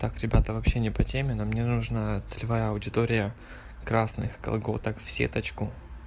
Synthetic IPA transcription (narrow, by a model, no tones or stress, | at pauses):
t̪akɾʲɪbʲat̪əvɐpɕːenʲɪpɐtʲemʲɪnəmnʲenuʐnat̪sɨlʲɪvajəɐʊdʲɪt̪oɾʲɪjə | kɾasnɨ̰xkɐ̰lˠɡo̰t̪əkfsʲḛt̪ɐt͡ɕkʊ